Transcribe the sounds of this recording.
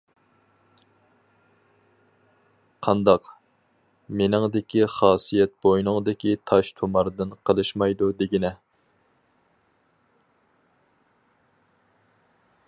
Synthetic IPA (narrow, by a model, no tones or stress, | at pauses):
qʰɑnd̪ɑq | menɪŋd̪ɪkʲiχɑːsijɛt̪̚bojnɨŋd̪ɪkʲit̪ʰɑʃt̪ʰomɑɾd̪ɨnqʰəlˠɨʃmɑjd̪ud̪eɡʲinɛ